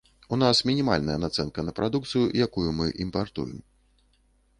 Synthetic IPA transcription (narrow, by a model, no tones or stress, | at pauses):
unasmʲinʲima̰lʲnɐjɐnat̪sɛnkɐnɐpɾʔad̪uk̚t̪sɨjujakujumɨʔimpart̪ṵjɛ̰m